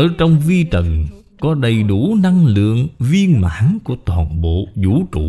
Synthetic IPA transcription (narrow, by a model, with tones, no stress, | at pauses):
ʔəː˧˩t͡ɕɔ˧wŋ͡mvi˧t͡ɕə˨˩n | kɔ˨˦ɗə˨˩jɗu˧˩na˧ŋlɨ̰˧˨əŋvi˧ənma̰ː˨˦nku˧˩ət̪waː˨˩nɓo̰˧˨zu˧˥t͡ɕṵ˧˨